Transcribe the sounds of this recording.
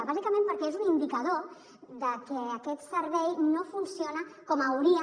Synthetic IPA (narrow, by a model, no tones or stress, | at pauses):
βazikəmẽmpəɾkɛezunind̪ikəð̞o | d̪əkɛːkɛt̪səɾβɛjnofunsionəkɔməwɾiə